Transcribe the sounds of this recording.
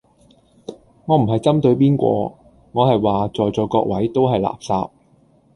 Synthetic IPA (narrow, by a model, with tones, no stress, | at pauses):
ŋɔː˨˧m̩˨˩ɦɐ˨jt͡sɐ˥mt̪ɵ˧ɥpiː˥nkʷɔ̰ː˧ | ŋɔː˨˧hɐ˨jwaː˨t͡sɔː˨jt͡sɔː˨˧jkɔː˧k̚wɐ˨˥jt̪o˥wɦɐ˨jla̰ː˨˩p̚sa̰ː˧p̚